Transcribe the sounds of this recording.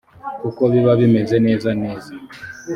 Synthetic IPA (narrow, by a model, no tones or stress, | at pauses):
ukɔβiβaβimɛzɛnɛzanɛːza